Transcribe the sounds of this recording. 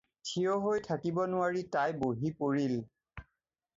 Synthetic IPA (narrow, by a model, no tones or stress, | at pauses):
tʰijoɦojtʰakibɔnʊwaɹitajboɦipoɹil